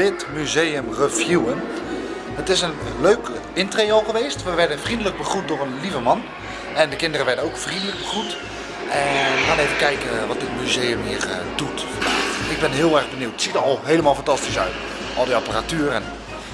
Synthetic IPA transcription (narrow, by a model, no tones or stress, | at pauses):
dɪtmyzejəmrəfjuən | hətɪsənløɥk | ɪntrejɔlˠχəʋejstʋəʋɛɹdənfrindələk̚bəχrut̚dʊːənlivəmɑn | ɛndəkɪndərəʋɛɹdənowkfrindələɡ̚bəχrut | ɛχaːnejvəkɛjkənʋɑt̚dɪt̚myzejəmɦiːrdutfdatɪɡ̚bɛnɦɪːlˠɛɹɣbəniwtətsitəɑlˠɦejləmaːlˠfɑntɑstisœ̰ɥt | ʔɑlˠdiɑparatyərən